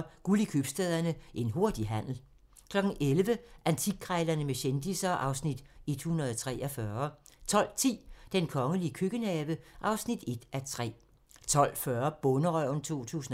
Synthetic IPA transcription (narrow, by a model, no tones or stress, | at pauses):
ɡ̥ulikʰyb̥sd̥ɛðˠɐnəʔe̝nɦo̝ɐd̥iɦæn̰l̩ | kʰlɒ̽ɡ̥n̩ʔelʋəʔænt͡sʰiɡ̥̚kːʰʁɑɪlɐnəmeɕend̥isɐʔɑ̈ʊsnid̥e̝d̥hunʁɐðˠt͡sʰʁɛ̰ːʔɒfɶɐt͡sʰɒ̽l̰t͡sʰḭːd̥enkʰɒ̽ŋəliəkʰøɡ̥ənɛːʋəʔɑ̈ʊsnid̥e̝d̥æt͡sʰʁɛ̰ː | t͡sʰɒ̽l̰fɶɐb̥ɔ̽nəʁœʊ̰n̩t͡sʰo̝̰ːt͡sʰṵːsn̩